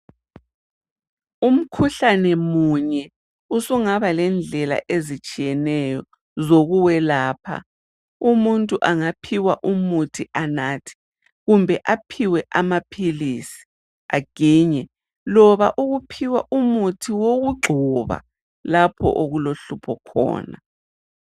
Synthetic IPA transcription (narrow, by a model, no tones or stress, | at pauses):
um̩kʰuɬanɛmuɲɛ | usuŋaβalɛnd͡ɮʱɛla̰ʔezit͡ʃʼijɛnɛjɔ | zoɣuwɛlaːpʰa̰ | umuntʼuʔaŋapʰiwaʔumutʰiʔanaːtʰi̥ | ɣumbʱɛʔapʰiwɛʔamapʰilisi̥ | aɡ̥iːɲɛ | lɔβaʔuɣupʰiwaʔumutʰiwoɣuɡ͡ǃʱɔβa̰ | lapʰɔ̰ʔoɣuloɬupʰɔkʰɔ̰ːna̰